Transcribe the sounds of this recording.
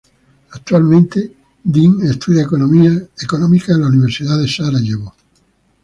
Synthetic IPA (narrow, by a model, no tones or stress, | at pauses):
ak̚t̪walmẽnt̪e | d̪iŋest̪uðjakonomiaekonõmikaelauniβ̞eɾsiðaðesaɾajeβo